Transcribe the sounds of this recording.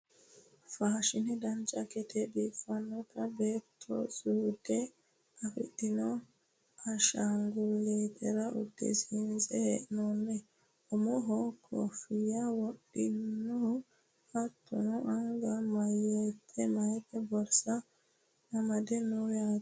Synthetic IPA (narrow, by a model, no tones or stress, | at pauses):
faːʃɪnɛd̪ɐnt͡ʃɐkɛt̪ʰɛbiːfːɐnːɔt̪ɐbeːt̪ʰːɔ̰zuːd̪ɛ | ʔɐfɪ̰d̪ːɪnɔ | ɐʃaŋɡʊlːeːt̪ʰɛɾɐʔʊ̰d̪ːɛ̰sɪnzɛhɛʔnonːɛ | ɔmɔɦɔkʰo̰fɪjawɔɗɪnːɔhɔ | ɐt̪ʰːɔ̰nɔʔɐŋɡɐmɐjːeːt̪ʰːɛmɐjtːɛbɔɾsɐ | ɐmɐd̪ɛnɔja